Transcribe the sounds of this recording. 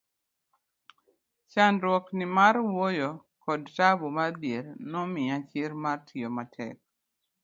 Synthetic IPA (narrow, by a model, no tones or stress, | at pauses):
t͡ʃanɾwɔknɪmaɾwojo | kɔdtabomabjeɾnɔmɪat͡ʃɪɾmartʰiomatʰɛ̰k̚